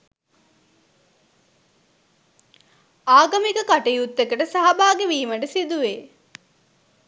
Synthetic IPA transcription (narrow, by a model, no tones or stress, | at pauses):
aːɡɐmikɐkɐʈejut̪ːekɐʈəsɐɦɐbaːɡeʋiːmɐɖɐsid̪uʋeː